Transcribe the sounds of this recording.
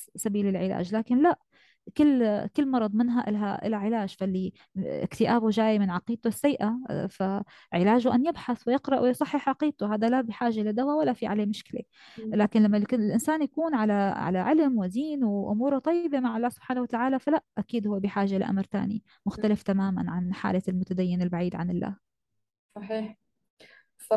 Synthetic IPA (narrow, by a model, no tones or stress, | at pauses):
sabiːlɪlʕɪla̰ːʒlaːkɪnlaʔ | kɪlːkɪlːmɑɾˤɑd̪ˤmɪnɦaʔɪ̰lɦaʔɪ̰laʕɪlaːʒfalːi | ɪ̰kt̪ɪʔaːbuʒaːjmɪnʕɑqiːt̪ʊsːajʔafa | ʕɪlaːʒʊʔanːjɪbħaθwɪjɪqɾˤɑʔwɪjsˤɑħːɪħʕɑqiːt̪ʊɦaːd̪alabiħaːʒalɪd̪awawalːafiʕa̰leːmʊʃkɪlḛ | laːkɪnlamːalkɪlʔɪnsaːnjakuːnʕalaʕa̰la̰ʕɪlmwɪziːnwɪʔʊ̰muːɾʊt̪ˤɑjːbemaʕalˤːaːhsʊb̥ħaːnawat̪aʕaːlafalaʔʔakiːd̪hʊwːbiħaːʒalɪ̰ʔa̰mɾt̪a̰ːnḭ | mʊxt̪alɪft̪amaːma̰nʕanħa̰ːlalmʊt̪ad̪ajːɪnɪlbaʕiːd̪ʕanɪlːa̰ːh | sˤɑħiːħ